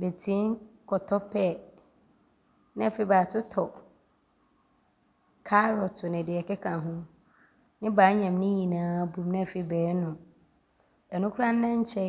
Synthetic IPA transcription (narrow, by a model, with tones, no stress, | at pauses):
be˨tʰĩ˨˦nkʰɔ˨tʰɔ˦pʰɛ˦˨ | nɪ̃˦ɛ˨fɪ˦bɾa˨tʰʊ˦tʰɔ˨ | kʰa˦ɾɔ˨tʰʊ˨nɪ̃˨dɪ˨ɛ˨kʰɛ˦kʰã˨ɦʊ̃˦ | nɪ̃˦baː˨˦ɲɛ̃˨mnɪ̃˦ɲĩ˨nãː˨˦bũ˨mnɪ̃˦˨fɪ˨bɛː˨˦nʊ̃˨ | ɛ˨nʊ̃˦kʰu˦ã˦n˦nã˦ɲ̩˦t͡ɕʰɛ˦